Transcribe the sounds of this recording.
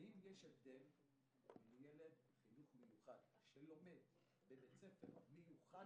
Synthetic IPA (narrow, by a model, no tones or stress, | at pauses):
imjeʃevd̪el | imjeled̪ | χinuχmejuχad̪ | ʃelo̞med | bebet͡sefeʁmejuχa